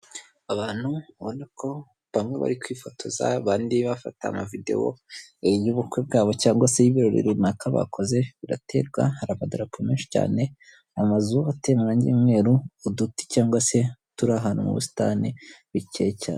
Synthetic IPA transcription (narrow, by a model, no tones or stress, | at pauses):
aβaːn̥huβonakʰo̞ | βamŋe̞βa̰ɾikwiːfo̞tʰo̞za̰βaːndiβafa̰ta̰ːmavide̞̰wo̰ejuβukweb̚ɡaːβo̞caːŋɡwase̞jiβiɾo̞ɾḭɾinakaβa̰kʰo̞ze̞βiɾatʰe̞̰ɾɡwa̰haɾaβadoɾapumeːnʃi̥ca̰ːne̞ | amazuate̞ːmaɾaɲɟḭːmŋe̞ːɾuːduti̥caːŋɡwase̞tuɾaɦaːnumṵβṵsi̥ta̰niβicejeca̰ːn